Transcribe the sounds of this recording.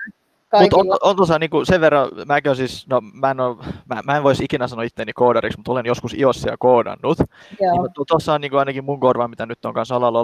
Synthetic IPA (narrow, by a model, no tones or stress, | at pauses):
kmut̪onoont̪osɑniːŋkuseʋʋerːɑmæːkæønsiːsnomæenomæmæeʋoisikinæsɑnoit̪ːenːikoːdɑriksmut̪olenjoskusiossiæ̰lkoːdɑ̰nːut̪ː | iut̪ːot̪osːɑoniːŋkuɑinɑkimmuŋkorʋɑmmit̪ænyt̪ːoŋkɑnsɑlɑlo